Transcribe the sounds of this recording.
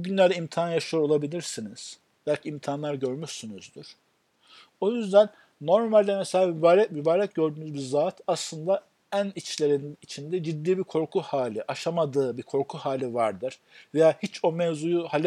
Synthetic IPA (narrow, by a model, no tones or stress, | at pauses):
uɟynlʲæɾd̪ɛimt̪ʰaːnjaʃɯjoɾo̞lˠabilʲiɾsiniz̥ | b̥ælʲcʰiimt̪ʰaːnlˠaɾɟø̞ɾmyʃsynyzd̪yɾ̥ | o̞jyzd̪ænː | o̞ɾmalʲd̪ɛmeselʲaːmybaːɾɛmybaːɾɛc̚ɟø̞ɾd̪yːnyzbiɾzaːt̪ʰaslˠɯnd̪a | ænit͡ʃlʲe̞ɾiniit͡ʃʰind̪ɛd͡ʒid̪ːiːbiɾkʰo̞ɾkʰuhaːlʲiʔaʃamad̪ɯːbikʰo̞ɾkʰuhaːlʲivaɾd̪ɯɾ̥ve̞jaːhit͡ʃo̞mɛvzujuhalʲ